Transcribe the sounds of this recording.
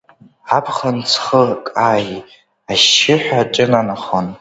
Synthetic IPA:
apʰχənt͡sʰχəkʼaːji | aʃɪħʷᶣaʈ͡ʂʼɨnanaχon

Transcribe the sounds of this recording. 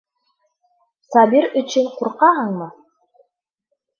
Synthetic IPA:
sɑbiɾɵ̆t͡ʃɘnquɾqɑɦɤɴmɤ

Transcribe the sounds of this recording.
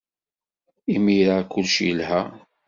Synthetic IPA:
imiɾakːʊlʃjəlhæ

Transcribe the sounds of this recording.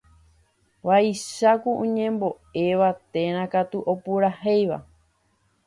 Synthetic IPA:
ʋaiʃakuʔũɲẽ̞mbo̞ | e̞ʋat̪ẽ̞ɾ̃ãkat̪uʔo̞puɾahejʋa̰

